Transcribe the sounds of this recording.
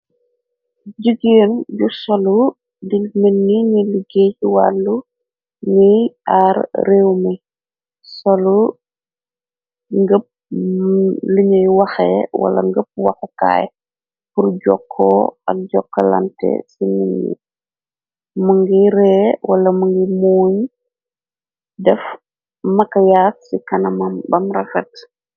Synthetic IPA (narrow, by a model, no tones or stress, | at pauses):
ɟəɡeːnɟusɐlu | dilminːiɲiliɡeːciwa̰lːu | ɲəjarreːwmi | sɐlu | ŋɡəp̚ | liɲɐjwɐxɛ̰wɐ̰lɐ̰ŋɡəp̚wɐxɛka̰ːj | purɟɔkʰːɔɐk̚ɟɔkːɐlɐ̰ntɛ̰simiɲḭ | muŋɡiɾɛːwɐlɐmuŋɡimɔːɲ | dɛf | mɐkɐjaːksikɐnɐmɐmbɐmrɐfɐt